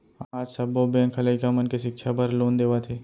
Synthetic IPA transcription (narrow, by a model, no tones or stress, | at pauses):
aːd͡ʒsɐbːobɛ̃ːŋkʰɐlaːikamənkeʃɪkʃʰabɐɾloːnd̪eːʋat̪ʰeː